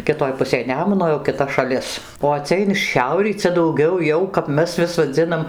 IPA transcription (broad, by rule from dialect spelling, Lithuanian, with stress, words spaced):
kʲɪˈtoːj ˈpʊsʲeːj ˈnʲæːmʊnoː jɛʊ kʲɪˈtɐ ʃɐˈlʲɪs oː ˈt͡sʲɛ ɪn ˈʃʲɛʊrʲiː ˈt͡sʲɛ dɐʊˈɡʲɛʊ ˈjɛʊ kɐp ˈmʲɛs ʋʲɪs ʋɐˈd͡zʲɪnɐm